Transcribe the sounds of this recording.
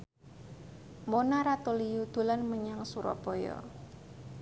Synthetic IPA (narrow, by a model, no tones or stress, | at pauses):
monaɾat̪olijud̪̥ṳlanməɲaŋsuɾɔ̰b̥ɔjɔ̰